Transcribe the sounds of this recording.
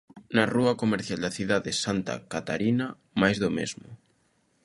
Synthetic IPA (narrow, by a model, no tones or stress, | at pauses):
nɐruɐkomeɾθjald̪ɐθiðaðɪsant̪a̰kat̪aɾinɐ | majzðomḛzmʊ